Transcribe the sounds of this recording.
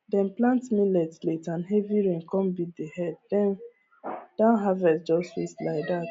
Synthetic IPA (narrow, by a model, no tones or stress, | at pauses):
dɛ̃nplãntmilɛtletãnɦɛviɹẽŋkɔ̃mbidehɛd̚dɛ̃n | d̥ãnɦavɛsd͡ʒɔsfislaɪk̚dat